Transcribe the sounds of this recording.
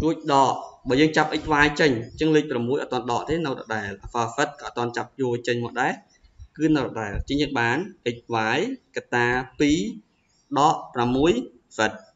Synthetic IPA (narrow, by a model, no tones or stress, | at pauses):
ruəc̚ɗɑːʔɓɑːjəːŋt͡ɕap̚ʔəc̚ʋaːjt͡ɕəɲt͡ɕɨŋlɨːc̚pramːuəjʔɑ̰t̪t̪ːŏənɗɑːʔt̪eːnɨwtɑ̰ɗaɛlʔafaːfət̪̚kɑːʔːt̪ːŏənt͡ɕap̚juət͡ɕəɲmɔəʔɗaɛ | kɨːnɨwrɔɗaɛlt͡ɕəːɲəːŋ̚ɓaːnʔɨc̚ʋaːjkat̪ːaːpiː | ɗɑʔpramːuəj | fət̪̚